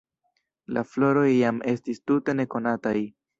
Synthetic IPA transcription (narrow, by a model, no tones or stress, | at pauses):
la̰flo̞ɾo̞jːame̞stistute̞ne̞ko̞nataj